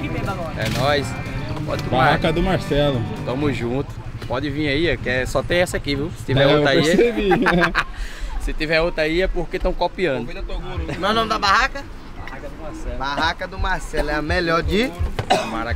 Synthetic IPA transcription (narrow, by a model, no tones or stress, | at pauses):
kikẽaɡɔɛ̰nɔjs | pɔ̰d̪ɪbaaakɐd̪ʊmaɾsɛlʊt̪ɐ̃mʊzʒũt̪ʊ̥s | pɔd̪ɪvĩɲɐiɐkɛsɔt̪ẽj̃ɛsɐkiviwsɪ̥t̪ivɛɾoɾɐiɐebi | sɪt̪ivɛot̪ɾɐiɛpoɾket̪ɐ̃w̃kopiɐ̃d̪ʊ̃t̪oɡuɾmewnõmɪd̪ɐbahakɐ | baakɐʊmasɛbaɦakɐd̪ʊmaɾsɛlʊɛɐmeʎɔɾd͡ʒ̪ɪmaɾa